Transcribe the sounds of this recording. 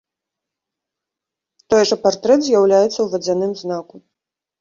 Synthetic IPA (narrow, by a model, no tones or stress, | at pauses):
t̪ɔjʐɐpart̪ɾɛt̪zʲjawlʲajɛt̪sːɐwvʲɐd͡zʲanɨmznaku